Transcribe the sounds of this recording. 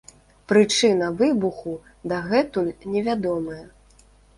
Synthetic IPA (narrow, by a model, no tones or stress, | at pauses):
pɾɨt͡ʂɨnɐvɨbuxu | d̪aɣɛt̪ulʲnʲɛvʲad̪ɔmɐjɛ